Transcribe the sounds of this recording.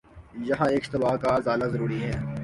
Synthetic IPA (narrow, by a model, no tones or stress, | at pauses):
jɐɦãeːkʃst̪ɪbaːkazaːlazɐɾuːɾiɦɛː